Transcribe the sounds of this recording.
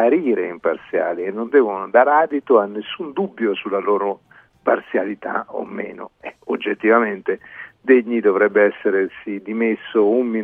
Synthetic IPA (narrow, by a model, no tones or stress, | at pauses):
aɾiːɾeimpa̰rt̪sja̰ːlienːond̪ɛːvonod̪aːɾaːd̪it̪oanːesːund̪ubːjosulːalɔːɾo | parsjalit̪a̰o̰mːḛːno̰eod͡ʒːet̪ːivament̪ed̪eʎːid̪ovɾɛbːeɛsːeɾesid̪imesːoumːi